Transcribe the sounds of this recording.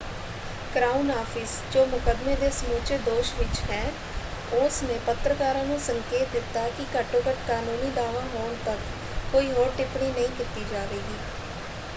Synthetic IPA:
kɾaːunaːpʰɪs | d͡ʒoːmʊkəd̪meːd̪eːsəmuːt͡ʃeːd̪oːʃʋɪt͡ʃɦɛː | ʊsmẽːpət̪ɾəkaːɾãːnũːsəŋkeːt̪̚d̪ɪt̪ːaːkɪkəʈoːkəʈkaːnuːniːd̪aːʋãːɦoːɳt̪əkː | oːiːɦoːɾʈɪpɳiːnəĩːkɪt̪iːd͡ʒaːʋeːɡiː

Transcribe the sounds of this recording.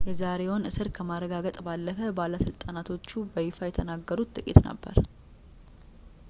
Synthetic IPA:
jɛzaɾe̞wonɨsɨɾkʰəmaɾəɡaɡət̪ʼbalːəfəbalːasɨlt̪ʼanat̪ʰo̞t͡ʃːubəjɪfajɛt̪ʰənaɡːəɾut̪t̪ʼɨkʼḭt̪nə̰bːə̰ɾ

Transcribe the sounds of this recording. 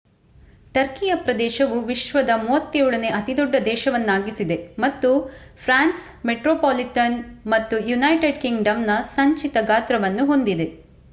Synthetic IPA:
ʈɐɾkijɐpɾɐd̪ɛːʃɐʋuʋiʃʋɐd̪ɐmuʋɐt̪ːiuːɽɐne̞ʔɐt̪id̪ɔɖːɐd̪ɛːʃɐʋɐnːaːɡisid̪e̞mɐt̪ːupʰɾaːns | meʈɾoːpoːliʈɐnmɐt̪ːujunɐjʈeɖkiŋɡɖɐmnɐsɐɲt͡ʃit̪ɐɡaːt̪ɾɐʋɐnːuɦo̞nd̪id̪e̞

